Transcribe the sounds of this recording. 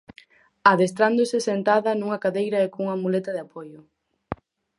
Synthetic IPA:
aðest̪ɾand̪osɪsent̪aðɐnuŋɐkaðejɾɐekouŋɐmulet̪ɐðeapojʊ

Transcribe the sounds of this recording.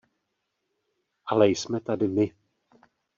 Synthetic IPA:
ʔalɛjsmɛt̪adɪmɪ

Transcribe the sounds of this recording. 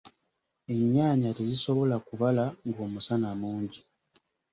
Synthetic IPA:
e̞ɲːaːɲateziso̞βo̞lakuβalaŋɡo̞ːmusanamuːɲɟi

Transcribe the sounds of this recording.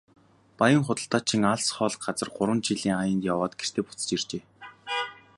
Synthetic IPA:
pajə̆ŋχʊt̪ə̆ɬt̪aːt͡ɕʰiŋaɮsχɔːɮ̆k̚ɢat͡sə̆rɢʊɾwə̆nt͡ɕiɮiːŋajə̆nt̪jawɔːt̪̚ɡ̥er̥t̪ʰeːput͡sə̥̆t͡ɕirt͡ɕeː

